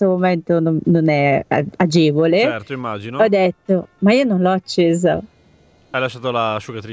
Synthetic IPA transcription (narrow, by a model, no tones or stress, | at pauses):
somoment̪onononɛa̰ad͡ʒeːvolet̪oimːaːd͡ʒinoɔd̪ːet̪ːomaiːononlɔat͡ʃːeːzo̰ | ajlaʃːaːt̪olaʃukat̪ɾi